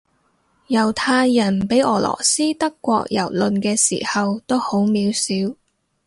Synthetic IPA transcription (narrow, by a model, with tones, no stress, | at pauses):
jɐ˨˩wt̪ʰaː˧jːɐ˨˩npe˨˥jʔɔː˨˩lʔɔ̰ː˨˩siː˥t̪ɐ˥kːʷɔ̰ː˧k̚jɐ̰˨˩wlɵ˨nkɛː˧sḭː˨˩hɐ˨wt̪o˥who˨˥wmiː˨˧˥wsiː˨˥w